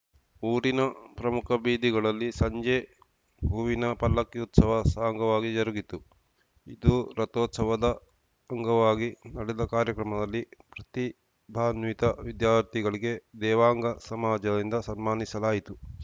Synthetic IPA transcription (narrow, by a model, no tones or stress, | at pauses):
uːɾinɐpɾɐmukʰɐbiːd̪iɡɐɭɐlːisɐɲd͡ʒeː | bʱuːʋinɐpɐlːɐkːiut̪sɐʋɐsaːŋɡɐʋaːɡid͡ʒɐɾuɡit̪u | id̪uɾɐt̪oːt̪sɐʋɐd̪ɐ | ɐŋɡɐʋaːɡinɐɽɛd̪ɐkaːɾjɐkɾɐmɐd̪ɐlːipɾɐt̪i | bʱaːnʋit̪ɐʋid̪jaːɾt̪iɡɐɭiɡe̞d̪ɛːʋaːŋɡɐsɐmaːd͡ʒɐd̪ind̪ɐsɐnmaːnisɐlaːjit̪u